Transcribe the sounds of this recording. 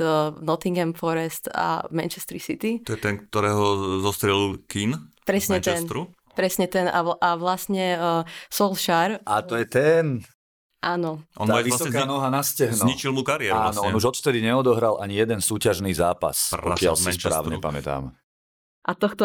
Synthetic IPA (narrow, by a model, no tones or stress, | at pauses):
nɔt̪iŋɡɛmfɔɾɛst̪a̰mɛnt͡ʃɛst̪ɾisit̪iɔjɛt̪ɛnk̚t̪ɔɾɛːɦɔzɔst̪ɾɪɛlilkinpɾɛsɲɛt̪ɛnɾu | pɾɛsɲɛt̪ɛna̰ʔaʋlasɲɛsɔlʃaɾʔat̪ɔjɛt̪ɛn | ʔaːnɔʔɔ̰naaisɔkaːnɔɦanascɛɦnɲit͡ʃilˠmukaɾiɪɛɾanɔɔnuʒɔt̪ft̪ɛd̪iɲɛɔd̪ɔɦɾalʔaɲijɛd̪ɛnsuːcaʒniːzaːpa̰sɔ̰kɪa̰lsispɾa̰ːʊɲɛpamɛ̰t̪a̰ːm | ʔat̪ɔxt̪ɔ